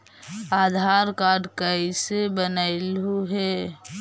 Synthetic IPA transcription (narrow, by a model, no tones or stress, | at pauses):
aːd̪ʱaɾkaːɾɖkəisebənəɪlɦuɦe